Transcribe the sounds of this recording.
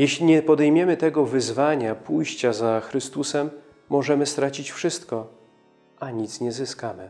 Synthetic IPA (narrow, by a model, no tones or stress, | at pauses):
jɛɕlʲiɲɛpɔd̪ɛjmʲjɛmɘt̪ɛɡɔvɘzvaɲapujɕt͡ɕazaxɾɘst̪usɛmː | ɔʐɛmɘst̪ɾat͡ɕit͡ɕfʂɘst̪kɔ | ʔaɲit̪sɲɛzɘskamɘ